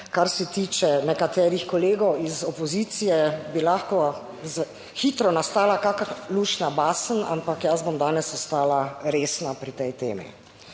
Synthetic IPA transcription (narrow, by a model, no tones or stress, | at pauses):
kaɾsɛt̪iːt͡ʃɛnɛkat̪ɛːɾixkɔleːɡɔwizɔpɔziːt̪sijɛbilaːxkɔ | z | xiːt̪ɾɔnast̪aːlakaːkaluːʃnabaːsəna̰mpakjazbomd̪aːnɛsɔst̪aːlaɾeːsnapɾit̪ɛjt̪ḛːmḭ